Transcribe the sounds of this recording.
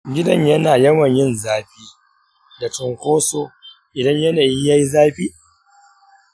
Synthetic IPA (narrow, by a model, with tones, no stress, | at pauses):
ɡʲɪ˦dɐ˦ɲjɐ˦naː˨jɐ˦mɐ˨ɲjɪ˦nzaː˦ɸiː˦ | da˨t͡ʃɪ˨ŋkʷoː˦soː˦ | ʔɪ˨dɐ˦ɲjɐ˦naː˨ji˦ja˦ji˦zaː˦ɸiː˦